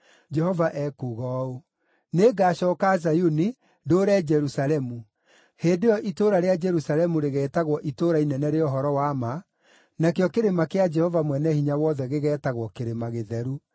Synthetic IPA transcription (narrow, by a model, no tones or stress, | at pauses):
d͡ʒɛhɔvaʔɛkuɣɔo | neɡaɕɔːkazajuni | doːɾɛːd͡ʒɛɾusalɛmu | heːndejɔʔitoɾaɾead͡ʒɛɾusalɛmuɾeɣɛːtaɣwɔʔitoɾainɛnɛɾeɔɦɔɾɔwama | nakeɔkeɾemakead͡ʒɛhɔvamwɛnɛhiɲawɔðɛɣeɣɛːtaɣwɔkeɾemaɣeðɛɾu